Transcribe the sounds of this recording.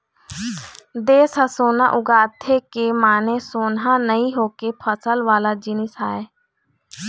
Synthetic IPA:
d̪eːsəsoːna̰ːʔʊɡaːt̪ʰekemaːnesoːnɦãːnəĩɦoːkepʰəsəlʋaːlaːd͡ʒɪnɪsaːeː

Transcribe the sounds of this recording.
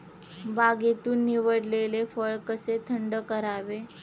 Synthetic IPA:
baɡet̪uːnːiʋəɽlelefəɭkəset̪ʰəɳɖəkəɾaʋe

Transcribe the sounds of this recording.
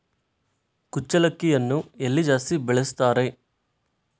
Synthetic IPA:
kut͡ʃːɐlɐkːijɐnːuelːid͡ʒaːsibɛɭest̪aːɾe̞

